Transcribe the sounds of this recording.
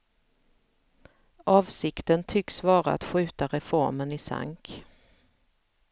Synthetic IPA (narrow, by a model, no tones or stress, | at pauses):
ɑːvsɪkt̪ənt̪ʰʏksvɑːɾaa̰t̪ɧʉ̟ːt̪aɾɛfɔɾmənɪsa̰ŋk